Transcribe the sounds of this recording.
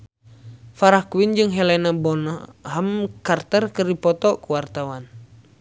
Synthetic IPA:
faɾakuwind͡ʒɨŋɦɛlɛnabɔnaɦamkart̪ɛrkɨrdipɔt̪ɔkuwart̪awan

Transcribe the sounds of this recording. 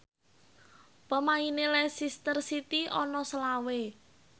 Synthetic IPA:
pəmainelɛsist̪ərsit̪iɔnɔsəlawe

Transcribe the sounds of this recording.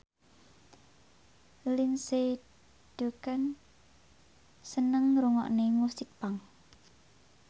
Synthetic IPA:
linse | ɖ̪̥ukan | sənəŋɾuŋɔ̰ʔnemusɪk̚paŋ

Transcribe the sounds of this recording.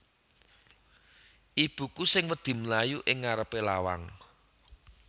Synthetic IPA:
ʔib̥ṳkusɪŋwəd̪̥i̤mlajuʔɪŋːaɾəpelawa̰ŋ

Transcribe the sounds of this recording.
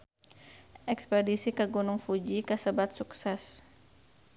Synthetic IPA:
ʔɛkspɛdisikəɡunʊŋfud͡ʒikəsəbat̪̚suksɛs

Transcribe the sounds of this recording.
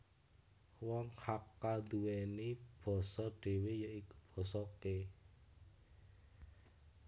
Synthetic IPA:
wɔŋhakːad̪uwɛnib̥ɔ̤sɔɖ̥e̤wejəʔikub̥ɔ̤sɔke

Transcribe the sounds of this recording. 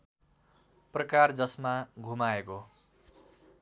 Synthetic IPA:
prʌkard͡zʌsmaɡʱumaeko

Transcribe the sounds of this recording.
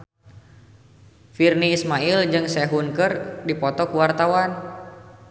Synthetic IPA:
firniːsmaild͡ʒɨŋsɛɦunkɨrdipɔt̪ɔkuwart̪awan

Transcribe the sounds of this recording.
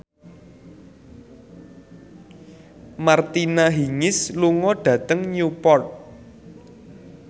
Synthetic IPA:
mart̪inaɦiŋɪsluŋɔɖ̥ä̤t̪əŋɲupɔrt̪̚

